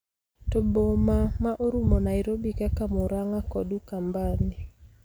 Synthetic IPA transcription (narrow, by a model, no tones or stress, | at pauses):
tobomamaʔoɾumonaiɾobikakamuɾaŋakɔdukambani